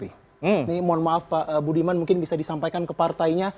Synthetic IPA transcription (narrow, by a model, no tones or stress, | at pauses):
i | m̩nimɔnmaafpaʔəbudimanmuŋkɪnbisadisampajkankəpart̪aiɲa